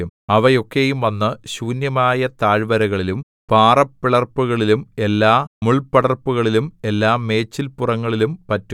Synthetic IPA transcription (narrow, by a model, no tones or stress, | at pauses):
umɐʋɐjo̞kːejumʋɐnːɨɕuːnjɐmaːjɐt̪aːɻʋɐɾɐɣɐɭilum | paːrɐpːiɭɐrpːuɣɐɭilume̞lːaːmuɭpɐɽɐrpːuɣɐɭilume̞lːaːme̞ːt͡ɕːilpurɐŋːɐɭilumpɐtːu